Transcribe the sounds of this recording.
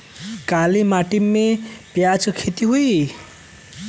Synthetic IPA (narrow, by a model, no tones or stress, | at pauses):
kalimaʈimːepjat͡sokʰet̪iɦuj